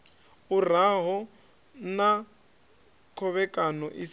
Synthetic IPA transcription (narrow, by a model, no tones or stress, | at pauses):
uraɦɔ | na | kʰɔβɛkʼanɔʔis